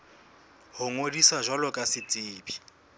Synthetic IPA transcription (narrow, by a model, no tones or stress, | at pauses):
hʊŋodiswaʒwalɔkʼasɪt͡sʼɪːbi